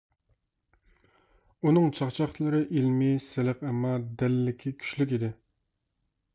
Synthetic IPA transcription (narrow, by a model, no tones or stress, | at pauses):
unɨŋt͡ʃʰɑχt͡ʃʰɑχlˠɨɾɨʔilmɪsɪlɪqɛmɑd̪ɛlːɪkʲʰikʲʰy̥ʃlyk̬ʲid̪ɪ